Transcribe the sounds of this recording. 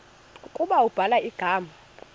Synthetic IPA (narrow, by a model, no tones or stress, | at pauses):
kʼuɓaub̥ʱalaiɡ̥ʱaːma